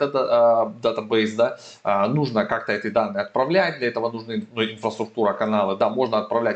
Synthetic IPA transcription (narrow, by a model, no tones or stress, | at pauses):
t̪əd̪d̪at̪əbɛjsd̪a | ənuʐnəkak̚t̪əɛt̪ɨd̪anːɨjɐt̪̚pɾɐvlʲæt̚ʲd̪lʲɐɛt̪əvənʊʐnɨnuɪnfɾəst̪ɾʊk̚t̪uɾəkɐnalˠɨd̪amo̞ʐnəɐt̪̚pɾɐvlʲæ